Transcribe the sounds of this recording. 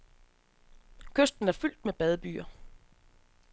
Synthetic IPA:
kʰøsd̥n̩æɐfyl̰d̥meb̥ɛð̞ˠəb̥y̰ːɐ

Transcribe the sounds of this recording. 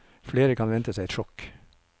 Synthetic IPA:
fleːɾəkʰɑnʋɛnt̪əsæɪɛt̪ʃɔk

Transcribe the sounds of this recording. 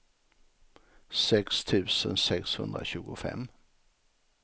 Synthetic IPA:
sɛkst̪ʰʉ̟ːsənsɛkshɵnd̪ɾaɕʉ̟ːɡʊfɛ̰m

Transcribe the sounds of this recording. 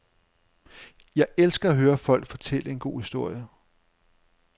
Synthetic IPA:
jɑ̈ɪʔelsɡ̥ɐæɦøːɐfɒ̽l̰ɡ̥fɒ̽t͡sʰel̰əe̝nɡ̥o̝̰ːhisd̥o̝ɐ̰jə

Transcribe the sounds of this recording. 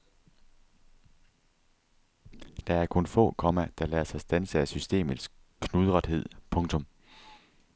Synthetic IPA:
d̥ɑ̈æɐkʰɔ̽nfɔ̰̽ːkʰɒ̽mæd̥ɑ̈lɛ̰ːɐsɑ̈ɪsd̥ænsəæsysd̥e̝̰ːmð̩ˠs | kʰnuðˠʁɑd̥he̝ð̞̰ˠpʰɔ̽ŋt͡sʰɔ̽m

